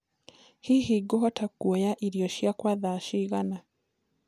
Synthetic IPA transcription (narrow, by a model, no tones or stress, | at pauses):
hiːhiɡoɦɔtakuɔjaʔiɾiɔʃjakwaðaʃiɣana